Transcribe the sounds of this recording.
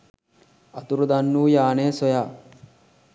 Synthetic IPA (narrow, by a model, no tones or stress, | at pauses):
ɐt̪uɾud̪anːuːjaːneːsojaː